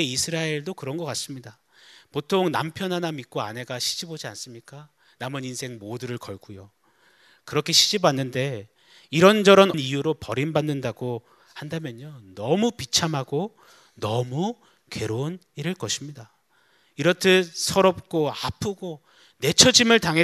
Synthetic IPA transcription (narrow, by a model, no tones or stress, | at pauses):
eisʰɯɾaeɭdokɯɾʌnɡʌk͈as͈ɯmɲida | potʰoŋna̰mpʰjʌnɦanamik͈oane̞ɡaɕʰi̥d͡ʑibod͡ʑia̰ns͈ɯmɲik͈a | namʌninsʰe̞ŋmoduɾɯɭkʌɭɡ͈ujo | kɯɾʌkʰe̞ɕʰi̥d͡ʑibanːɯnde̞ | iɾʌnd͡ʑʌɾʌnnijuɾopʌɾinbanːɯndaɡo | handamjʌnjonʌmupit͡ɕʰamɦaɡo | nʌmu | ke̞ɾon | iɾɯɭkʌɕʰimɲida | iɾʌtʰesʰʌɾʌp̚k͈oapʰuɡo | ne̞t͡ɕʰʌd͡ʑimɯɭtaŋɦe